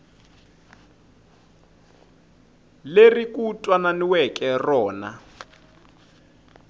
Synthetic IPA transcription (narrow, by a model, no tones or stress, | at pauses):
lerikʼutʼwananiwɛkʼɛrɔːna